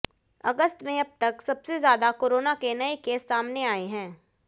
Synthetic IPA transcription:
ɐ̰ɡəst̪mẽɐb̚t̪ɐksɐbsezjaːd̪akoːɾoːnakenɐekeːsːaːmneaːeɦɛ̃ː

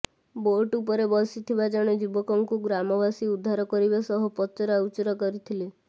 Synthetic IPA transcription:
boʈupɔɾebɔsit̪ʰibad͡ʒɔɽ̃ed͡ʒibɔkɔŋkuɡɾamɔbasiud̪ʱːaɾɔkɔɾibasɔɦɔpɔt͡ʃɔɾaaut͡ʃɔɾɔkɔɾit̪ʰile

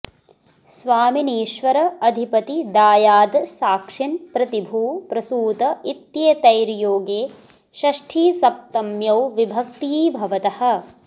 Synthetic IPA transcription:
sʋaːminiːʃʋɐɾɐɐd̪ʱipɐt̪id̪aːjaːd̪saːkʂinpɾɐt̪ibʱuːpɾɐsuːt̪ɐit̪jet̪ɐjɾjoːɡeː | ʃɐʂʈʰiːsɐp̚t̪ɐmjɐwʋibʱɐk̚t̪iːbʱɐʋɐt̪ɐhɐ̆

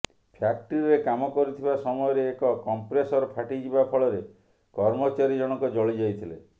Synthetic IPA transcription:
pʰjakʈiɾiɾekamɔkɔɾit̪ʰibasɔmɔjɔɾeːkɔkɔmpɾesɔɾɔpʰaʈid͡ʒibapʰɔɭɔɾe | kɔɾmɔt͡ʃaɾid͡ʒɔɽ̃ɔkud͡ʒɔɭid͡ʒajt̪ʰile

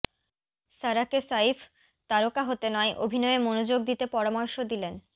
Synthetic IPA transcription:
saɾakesaifʰ | t̪aɾokaɦot̪enɔeʔobʱinɔemonod͡ʑoɡ̚d̪it̪epɔɾamɔɾʃod̪ilen

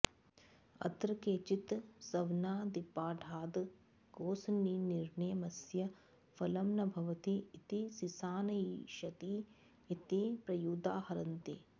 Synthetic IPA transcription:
ɐ̰t̪ɾɐkeːt͡ʃit̪sɐʋnaːd̪ipaːɖʱaːd̪ | ɡoːsɐniːniɾɳɐjɐmɐsjɐ | fɐlɐmnɐbʱɐʋɐt̪iːt̪isisaːnɐjiʃɐt̪iː | t̪ipɾɐjuːd̪aːhɐɾɐnt̪e

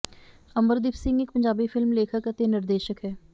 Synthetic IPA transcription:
əməɾd̪ɪːpsɪ̃ŋɡɪkpəɲd͡ʒaːbiːpʰɪlmleːkʰəkət̪eːnɪɾd̪eːʃəkɦɛː

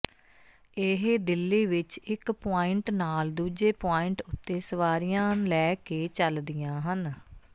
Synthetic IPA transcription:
ɪɦd̪ɪlːiːʋɪt͡ʃɪkpoːɪɳʈnaːld̪uːd͡ʒeːpaːɪɳʈʊt̪ːeːsəʋaːɾijãːlɛːkeːt͡ʃəld̪ɪjãːɦən

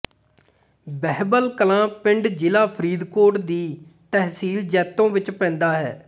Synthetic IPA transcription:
bɛɦbəlkəlãːpɪ̃ɳɖd͡ʒɪlaːpʰəɾiːd̪koːʈd̪iːt̪ɛɦsiːld͡ʒɛːt̪ːõːʋɪt͡ʃpɛ̃ːnd̪aːɦɛː

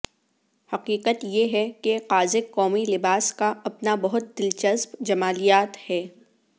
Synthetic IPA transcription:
hɐqiːqət̪jeɦɛkeqaːzɪkːɔːmilɪbaːskaɐpnabɐɦʊt̪̚d̪ɪlt͡ʃəzbd͡ʒɐmaːlijaːt̪hɛː

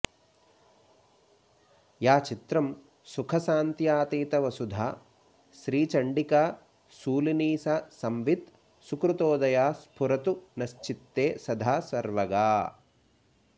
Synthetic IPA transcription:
jaːt͡ʃit̪ɾɐm | sukʰɐsaːnt̪jaːt̪iːt̪ɐʋɐsud̪ʱaː | ʃɾiːt͡ʃɐɳɖikaː | suːliniːsasɐmʋit̪ | sukɾut̪oːd̪ɐjaːspʰuɾɐt̪unɐʃt͡ʃit̪ːeːsɐd̪ʱaːsɐɾʋɐɡaː

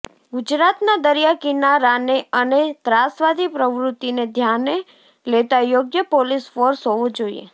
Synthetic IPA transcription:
ɡud͡ʒɾat̪nad̪əɾjakinaɾaneənet̪ɾasʋad̪ʱipɾəʋɾʊt̪ːined̪ʱjane | let̪ajoɡjəpolisfoɾsɦoʋõd͡ʒoḭḛ

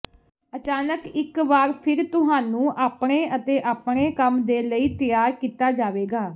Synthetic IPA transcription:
ət͡ʃaːnəkɪkʋaːɾpʰɪɾt̪ʊɦaːnũːʔaːpɽ̃eːʔət̪eːʔaːpɳeːkəmd̪eːləiːt̪ɪjaːɾkiːt̪aːd͡ʒaːʋeːɡaː

